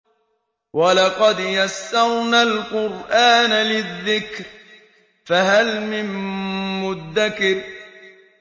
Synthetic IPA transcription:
walɑqɑd̪jasːɑɾnalqʊɾʔaːnalɪðːɪkɾ | faɦalmɪmː | ʊd̪ːakɪɾ

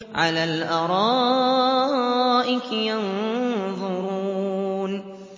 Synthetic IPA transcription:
ʕa̰laːlʔɑɾˤɑː | ʔɪkjɑnðˤʊɾun

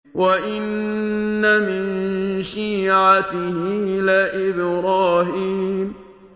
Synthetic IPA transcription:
waʔɪnː | amɪnʃiːʕat̪ɪhɪʔɪlaːʔɪbɾaːɦiːm

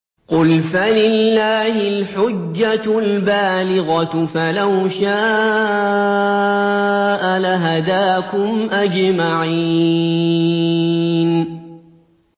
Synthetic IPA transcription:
qʊlfalɪlːaːhɪlħʊd͡ʒːalbaːlɪɣɑfalawʃaː | ʔalaɦad̪aːkʊmʔad͡ʒmaʕi | n

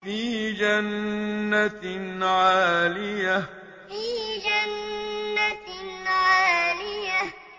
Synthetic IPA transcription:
fiːd͡ʒanːat̪nʕaːlɪja | fiːd͡ʒanːatnʕaːlɪja

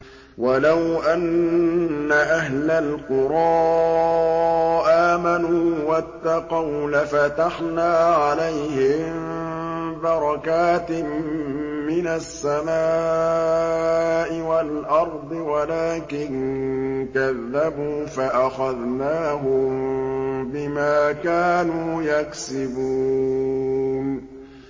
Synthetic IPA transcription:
walawʔanː | aʔaɦlalqʊɾˤɑː | ʔaːmanuːwat̪ːɑqɑwlafat̪aħnaːʕalajhɪm | bɑɾˤɑkaːt̪ɪː | ɪnasːamaː | ʔɪwalʔɑɾˤd̪ˤɨwalaːkɪn | kaðːabuːfaʔaxaðnaːɦʊmbɪmaːkaːnuːjaksɪbuː | n

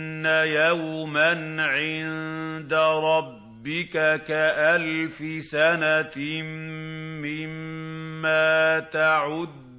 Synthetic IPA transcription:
nːajawmanʕɪnd̪aɾˤɑbbːɪkakaʔalfɪsana | ɪmː | aːt̪aʕʊd̪

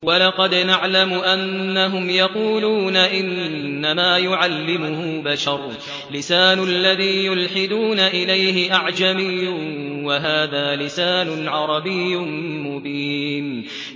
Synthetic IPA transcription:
walɑqɑd̪naʕlamʊʔanːaɦʊmjɑquːluːnaʔɪnːamaːjʊʕalːɪmʊhʊbaʃɑɾˤ | lɪsaːnʊlːaðiːjʊlħɪd̪uːnaʔɪlajhɪʔaʕd͡ʒamɪjːʊwaɦaːðaːlɪsaːnʊnʕɑɾˤɑbɪjːʊmʊbiːn

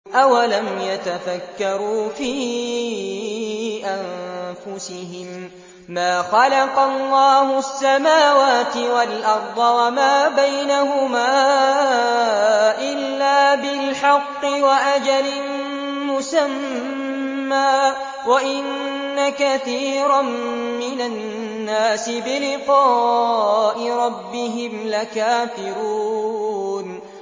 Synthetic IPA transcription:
ʔawalamjat̪afakːɑɾuːfiː | ʔanfʊsɪhɪmː | aːxɑlɑqɑlːɑːhʊasːamaːwaːt̪ɪwalʔɑɾˤd̪ˤɑwamaːbajnaɦʊmaː | ʔɪlːaːbɪlħɑqːɪwaʔad͡ʒalɪn | mʊsamː | aː | waʔɪnː | akaθiːɾammɪna | nːaːsɪbɪlɪqɑː | ʔɪɾˤɑbːɪɦɪmlakaːfɪɾuː | n

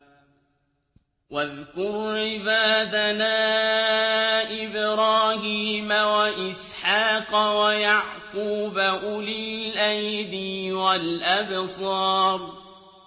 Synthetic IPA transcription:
waðkʊɾʕɪbaːd̪anaː | ʔɪbɾɑːhiːmawaʔɪsħaːqwajaʕquːbaʔʊlɪlʔajd̪ɪwalʔabsˤɑːɾˤ

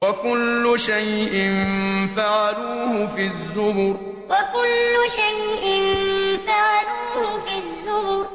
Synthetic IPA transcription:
wakʊlːʊʃajʔɪnnfaʕaluːhʊfizːʊbʊɾ | wakʊlːʊʃajʔɪnfaʕaluːhʊfizːʊhʊɾ

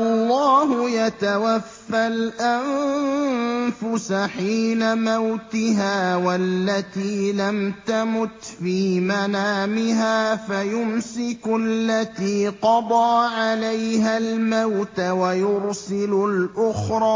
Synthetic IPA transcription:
ʔɑllˤːɑːɦʊjat̪awafːalʔan | fʊsaħiːnamawt̪ɪɦaːwalːat̪iːlamt̪amʊt̪fiːmanaːmɪɦaːfajʊmsɪkʊlːat̪iːqɑd̪ˤɑːʕalajɦalmawt̪awajʊɾsɪlʊlʔʊxɾˤɑː

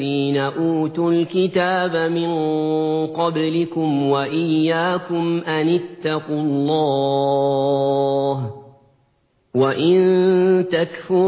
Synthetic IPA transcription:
iːnaʔuːt̪ʊlkɪt̪aːbamɪn | qɑblɪkʊmwaʔɪjːaːkʊmʔanɪt̪ːɑqʊllˤːɑː | ɦ | waʔɪnt̪akfʊ

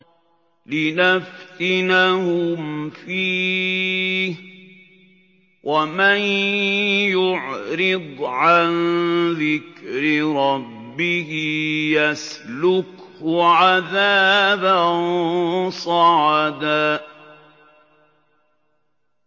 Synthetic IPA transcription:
lɪnaft̪ɪnahʊmfiː | wʔaman | jʊʕɾɪd̪ˤʕanðɪkɾɪɾˤɑbːɪhɪjaslʊkhʊʕaðaːban | sˤɑʕd̪aː

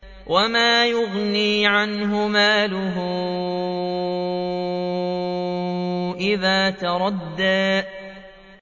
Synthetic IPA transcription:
wʔamaːjʊɣniːʕanɦʊmaːlʊɦʊ | ʔɪðaːt̪ɑɾˤɑd̪ːaː

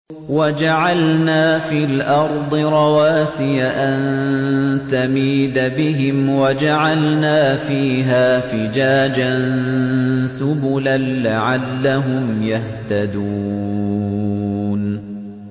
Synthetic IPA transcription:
wad͡ʒaʕalnaːfiːlʔɑɾˤd̪ˤɨɾˤɑwaːsɪjaʔan | t̪amiːd̪abɪɦɪmwad͡ʒaʕalnaːfiːɦaːfɪd͡ʒaːd͡ʒann | sʊbʊlanːaʕalːaɦʊmjaht̪ad̪uː | n

